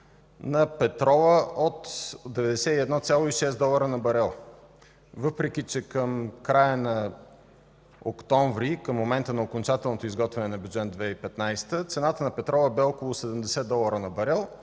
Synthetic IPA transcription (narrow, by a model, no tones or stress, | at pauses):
nɐpɛt̪ɾɔvəot̪d̪ɛvɛd̪ɛsɛiɛd̪nɔt̪sʲjalˠoiʃɛsd̪ɔlˠɐəɾənɐbɐɾɛlˠ | vɤpɾɛk̟it͡ʃɛkəmkɾajənɐ | okt̪ɔ̃ɱvɾikəmːomɛnt̪ənɐokont͡ʃat̪ɛlˠnot̪oizɡɔt̪vɛnɛnɐbjud̪d͡ʒɛt̪d̪vɛipɛt̪najst̪ət̪sɛnat̪ənɐpɛt̪ɾɔvəbɛɔkolˠʊsɛd̪əmd̪ɛsɛd̪ɔlˠəɾənɐbɐɾɛlˠ